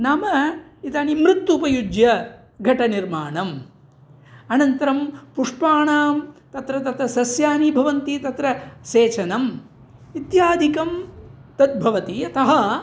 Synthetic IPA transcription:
naːmɐit̪aːnimɾit̪ːupɐjud͡ʒjɐ | ɡʱɐʈɐniɾmaːɳɐm | ɐnɐnt̪ɐɾɐmpuʂpaːɳaːmt̪ɐt̪ɾɐt̪ɐt̪ɾɐsɐsjaːnibʱɐʋɐnt̪it̪ɐt̪ɾɐseːt͡ʃʰɐnɐm | it̪jaːd̪ʱikɐmt̪ɐt̪̚bʱɐʋɐt̪iɐt̪ɐɦɐ

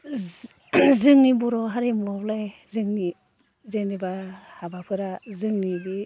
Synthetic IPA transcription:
zɯŋnibɔɾɔɦaɾimɔblajzɯŋni | zenibahabapʰɯɾazɯŋnibi

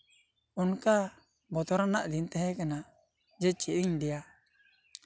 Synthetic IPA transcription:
unka | bɔt̪ɔɾanaʔd̪int̪ɛɦɛkana | d͡ʒɛt͡ʃiiɲd̪ɛja

